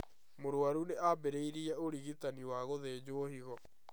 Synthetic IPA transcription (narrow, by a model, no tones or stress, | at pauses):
moɾoaɾuneabeɾeiɾiɛoɾiɣitaniwaɣoðeːd͡ʑoːhiɣɔ